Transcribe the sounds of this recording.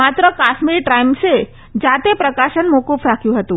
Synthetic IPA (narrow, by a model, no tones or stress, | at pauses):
mat̪ɾəkasmiʈɾajmse | d͡ʒat̪epɾəkaʃənmokufɾakʰjũɦət̪ũ